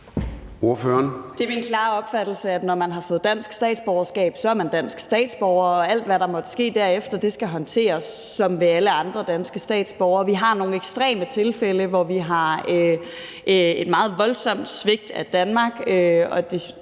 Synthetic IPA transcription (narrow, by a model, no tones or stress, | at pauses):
o̝ɐføɐnd̥e̝ɐminkʰlɑ̰̈ːɒ̽b̥fæd̥l̩səæd̥nɒmænɦɑ̈fɔ̽ːð̩ˠd̥æn̰sɡ̥sd̥ɛ̰ːd̥sb̥ɒʊɐsɡ̥ɛ̰ːb̥sɒ̽æɐmænd̥æn̰sɡ̥sd̥ɛ̰ːd̥sb̥ɒʊɐɒ̽æl̰d̥ʋæɾɑ̈mɒ̽d̥əsɡ̥e̝̰ːd̥æɐ̰efd̥ɐd̥e̝sɡ̥æɦɒ̽nt͡sʰe̝̰ːɐsːɒ̽mʋe̝æləɑ̈nd̥ʁɐd̥ænsɡ̥əsd̥ɛ̰ːd̥sb̥ɒʊɐʋiɦɑ̈no̝ːn̩eɡ̥sd̥ʁɛ̰ːmət͡sʰe̝lfeləʋɒʋiɦɑ̈ø | ʔed̥mɑ̈ːð̞̩ˠʋɒ̽lsɒ̽m̰d̥sʋe̝ɡ̥̚d̥æd̥ænmɑ̈ːɡ̥øɒ̽d̥e̝